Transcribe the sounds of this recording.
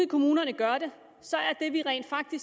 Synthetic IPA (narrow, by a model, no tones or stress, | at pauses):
kʰo̝muːnɐnəɡ̥ɶɐɾ̥e̝ | sɒ̽æɐd̥e̝ʋiʁɛ̰ːnd̥fɑ̈ɡ̥̚d̥i